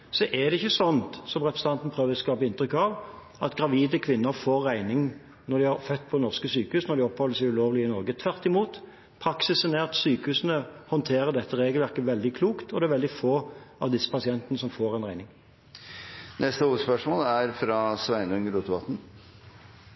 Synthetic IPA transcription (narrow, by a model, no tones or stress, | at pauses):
sɔʔɛd̪ɛɪçːəsɔnt̪sɔmʁɛpɾɛsəɑnt̪n̩pʰʁøːʋəskɑːpəɪnt̪ʁʏkːɑʋ | ɑt̪ɡɾɑʋiːd̪əkʰʋɪnːəɾfoːɾːæɪnɪŋ | nɔd̪ɪɑʁfœt̪ːpʰɔnɔʁskəsyːkəhʉːsnɔʁd̪ɪɔphɔlːəsɛɪʉloːʋlɪɪnɔɾɡət̪ʰʋæʁt̪ɪmuːt̪ | pʰɾɑksɪsənɛɑt̪syːkəhʉːsnəhɔnt̪ʰeːɾəd̪ɛt̪ːəʁeːɡəlʋæʁkəʋɛld̪ɪkʰluːkt̪ɔd̪ɛːæɾʋɛld̪ɪfoːɑʋd̪ɪsːə̥pɑsɪɛnt̪ənəsɔmfoːʁɛɪnʁæɪnɪŋ | nɛst̪əuːspœʂmoːlæɾfɾɑːsʋæɪnʉŋəɾuːt̪ʋɑt̪n̩